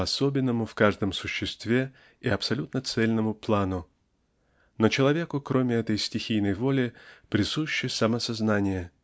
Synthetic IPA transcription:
ɐsobʲɪnːəmʊfkaʐd̪əmsʊɕːɪst̪vʲe̞ | iɐpsɐlʲut̪nət̪sɛlʲnəmʊplˠanʊ | not͡ɕɪlˠɐvʲe̞kʊkɾo̞mʲɪɛt̪əjsʲtʲɪxʲijnəjvolʲɪpɾʲɪsuɕːɪjsɐməsɐznanʲɪjə

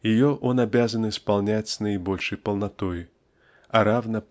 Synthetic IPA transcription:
jɪjɔʔɔnabʲazɐnispalˠnʲat͡sʲsnɐjibɔlʲʂɨjpəlˠnat̪oj | ɐɾavnɐ

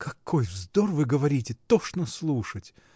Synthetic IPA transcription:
kɐko̞jvzd̪orvɨɡəvɐɾʲitʲɪt̪oʂnəslˠuʂətʲ

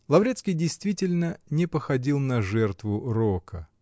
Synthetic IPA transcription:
lˠɐvɾʲet̪skʲɪjdʲɪjst̪vʲitʲɪlʲnənʲɪpəxɐdʲilˠnɐʐɛrt̪vʊɾokə

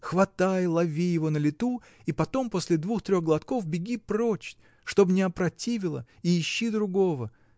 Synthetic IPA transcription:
xvɐt̪ajlˠɐvʲijɪvo̞nəlʲɪt̪u | ipɐt̪o̞mpo̞sʲlʲɪd̪vuxt̪ɾʲo̞xɡəlˠɐt̪ko̞fbʲɪɡʲiprot͡ɕtʲ | ʂt̪o̞bnʲɪɐpɾɐtʲivʲɪlˠə̰ | iɪɕːid̪ɾʊɡo̞və

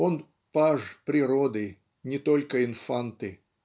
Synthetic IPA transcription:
on | paʐpɾʲɪɾod̪ɨ | nʲɪt̪o̞lʲkəɪnfant̪ɨ

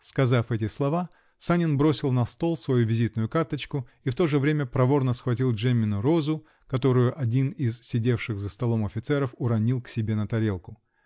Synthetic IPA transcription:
skɐzafɛtʲɪslˠɐva | sanʲɪnbɾo̞sʲɪlˠnɐst̪o̞lˠsvɐjuvʲɪzʲit̪nʊjʊkart̪ət͡ɕkʊift̪o̞ʐɨvɾʲemʲəpɾɐvo̞rnəsxvɐtʲilˠʐɛmʲɪnʊɾo̞zʊ | kɐt̪o̞ɾʊjʊʔɐdʲinɪzsʲɪdʲe̞fʂɨɣzəst̪ɐlˠo̞mɐfʲɪt̪sɛɾəfʊɾɐnʲilˠksʲɪbʲe̞nət̪ɐɾʲe̞lˠkʊ

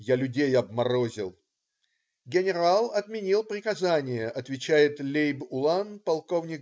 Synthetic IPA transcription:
jalʲʊdʲejɐbmɐɾo̞zʲɪ̰lˠ | ɡʲɪnʲɪɾalˠɐt̪mʲɪnʲilˠpɾʲɪkɐzanʲɪjəʔɐt̪vʲɪt͡ɕæjɪt̪lʲejbʊlˠanpɐlˠko̞vnʲɪk

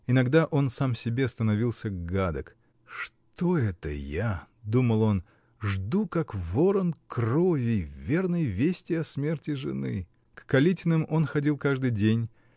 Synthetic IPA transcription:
ɪnɐɡd̪aʔo̞nsamsʲɪbʲest̪ənɐvʲilˠsʲəɡad̪ək | ʂ | t̪oɛt̪ə̰ja | d̪uməlˠo̞n | ʐd̪ukakvoɾənkrovʲɪjvvʲe̞rnəjvʲesʲtʲɪɐsmʲe̞rtʲɪʐɨ̰nɨ̰ | kːɐlʲitʲɪnɨmo̞nxɐdʲilˠkaʐd̪ɨjdʲenʲ

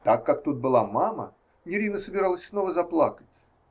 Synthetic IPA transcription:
t̪akːak̚t̪ut̪̚bɨlˠamamə̰ | jɪɾʲinəsəbʲɪɾalˠəsʲsno̞vəzɐplˠakə̥tʲ

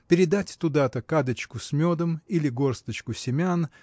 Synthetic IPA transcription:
pʲɪɾʲɪd̪atʲt̪ʊd̪at̪əkad̪ət͡ɕkʊsʲmʲod̪əmilʲɪɡo̞rst̪ət͡ɕkʊsʲɪmʲan

